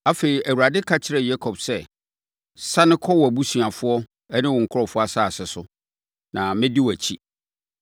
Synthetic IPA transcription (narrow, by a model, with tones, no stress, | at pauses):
a˦fe˨ɾi˨æ˨wu˨ɾa˨dɪ˦kʰa˦t͡ɕʰɪ˦ɾɛ˨ja˦kʰɔ˨bsɛ˦˨ | sa˦nɪ̃˦kʰɔ˦wɔ˨æ˨bu˦sɥa˨fʊ˦ɔ˦ | ɛ˦nɪ̃˦wɔ̃˨ŋ̩˨kʰʊ˦ɾɔ˨fʊ˦a˨saː˦˨sɛ˨sʊ˦ | nã˨mɪ̃˦di˦wæ˨t͡ɕʰḭ˦